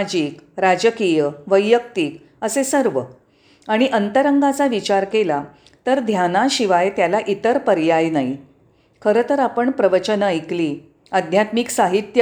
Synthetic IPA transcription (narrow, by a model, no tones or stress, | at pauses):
d͡ʑiːkɾad͡ʑəkijəʋəjːəkt̪iːk | əsesəɾʋə | aɽ̃iʔənt̪əɾəŋɡat͡saʋit͡ɕaɾkela | t̪əɾd̪ʱjanaɕiʋajt̪jalaʔit̪əɾpəɾjajnaɦi | kʰəɾət̪əɾapəɳpɾəʋət͡ɕənəəjkliː | əd̪ʱnjat̪miksaɦit̪jə